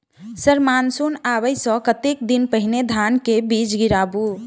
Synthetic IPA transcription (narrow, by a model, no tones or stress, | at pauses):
səɾmansonaβəjsə̃kət̪ek̚d̪inpəɦined̪ʱankebid͡ʒɡiɾabu